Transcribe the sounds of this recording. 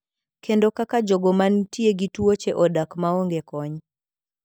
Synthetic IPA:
kʰendokakad͡ʒoɡɔmantieɡituot͡ʃeʔɔdakmaoŋɡekɔɲ

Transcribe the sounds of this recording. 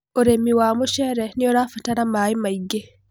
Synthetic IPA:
oɾemːiwaːmɔʃɛɾɛniɔɾaːfataɾamaːimajɡe

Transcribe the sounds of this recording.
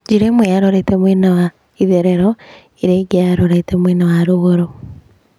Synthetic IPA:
d͡ʒiɾemweaɾoɾetemwenawa | iðeɾeɾɔ | iɾeɡeaɾoɾetemwenawaɾoɣoɾo

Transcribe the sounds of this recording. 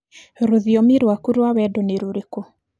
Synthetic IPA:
ɾoðiɔmiɾwakuɾwawɛdoneɾuɾeko

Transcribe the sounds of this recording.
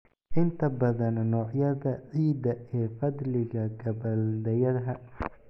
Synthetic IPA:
ʔɪnt̪ʰɐbɐðɐnnɔːʕjɐðɐʕiːd̪ɐɛːfɐd̪lɪɣɐɡɐβɐld̪ɛjɐðɦɐ

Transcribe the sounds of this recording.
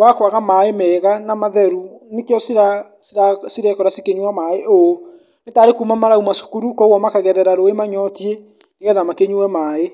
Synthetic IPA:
wakwaɣamaemɛːɣanamaðɛɾunekjɔsiɾa | siɾasiɾɛkɔɾasikeɲuamaeʔo | netaːɾekumamaɾaumasu̥kuɾukɔoɣɔmakaɣɛɾɛɾaɾoemaɲɔtie | neɣɛðamakeɲuwɛmae

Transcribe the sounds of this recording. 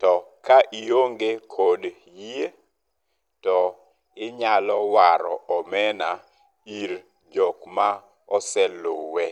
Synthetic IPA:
tɔkaʔioŋɡekʰod | jie | tɔ | ɪɲalɔwaɾɔ̰ɔmɛna | iɾ | d͡ʒɔkma | ɔsɛlowɛ

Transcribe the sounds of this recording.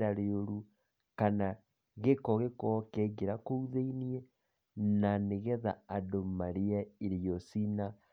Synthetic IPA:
ɾaɾeoɾu | kana | ɣekɔɣekɔkɛɡeɾakouðeiniɛ | naneɣɛðaːdomaɾiaiɾijosina

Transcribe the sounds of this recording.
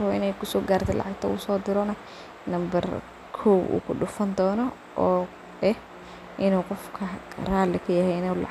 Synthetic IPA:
ɔʔɪ̰nɛjkʰʊsɔːɡaːrt̪ʰɛlʔɑ̰ʕɑɡ̚t̪ʰɐ̰ʊsɔːd̪ɪɾɔnɐ | nɐmbɐ̰r | kʰɔbṵːkʰʊɗʊfɐnd̪ɔːnɔ | ʔɔː | ɛh | ʔɪnuːqɔfkʰɐraːlɪkʰɐjɐhɛɪnɛlɑ

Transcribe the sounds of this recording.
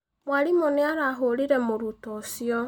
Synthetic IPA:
mʷaɾimonɪaɾaɦoɾiɾemoɾutɔsjɔ

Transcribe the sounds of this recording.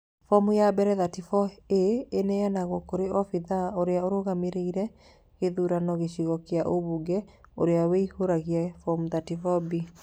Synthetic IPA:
fɔmujabɛɾɛðatifɔeːnɛjanaɣokoɾeʔɔfiðaoɾeaoɾoɣameɾeiɾɛ | ɣeðuɾanɔɣeɕiɣɔkeaʔoβuɡɛ | o̰ɾeaweihoɾaɣiɛfɔmuðatifɔbi

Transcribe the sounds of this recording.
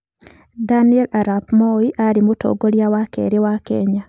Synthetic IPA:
daniɛlaɾapmɔiʔaɾimoto̰ɡoɾjawakɛ̰ɾewakɛɲa

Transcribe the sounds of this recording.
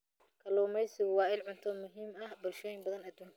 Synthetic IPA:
kʰɐlɔːmɛjsɪɣʊwɑːɪlʕʊnt̪ʰɔmʊɦiːmɐhbʊlʃɔːjɪmbɐðɐnɐd̪uːŋ

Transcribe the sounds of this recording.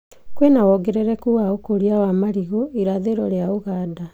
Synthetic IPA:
kwenawɔɡɛɾɛɾɛkuwaokoɾiawamaɾiɣoʔiɾaðeɾɔɾeaoɣaːda

